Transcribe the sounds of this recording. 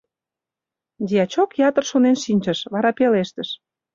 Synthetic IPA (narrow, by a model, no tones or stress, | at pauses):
d̪ʲiɑt͡ɕokjɑt̪ə̆rʃonenʃinʲt͡ɕə̆ʃβɑɾɑpeleʃt̪ə̆ʃ